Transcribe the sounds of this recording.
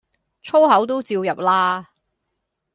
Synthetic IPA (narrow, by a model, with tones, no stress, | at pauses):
t͡ʃʰo˥wɦɐ˨˥wt̪o˥wt͡siː˧wjɐ˨˩p̚laː˥